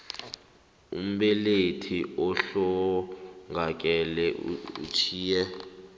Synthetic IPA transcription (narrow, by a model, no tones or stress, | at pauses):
ṵm̩ɓɛletʰiɔɬɔ | ŋɡʱak̬ʼɛlɛṵt͡ʃʰiːjɛ